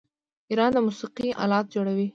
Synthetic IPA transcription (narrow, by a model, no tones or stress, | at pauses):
iɾɑnd̪əmusiqiʔɑ̰lɑt̪̚d͡ʒoɽawi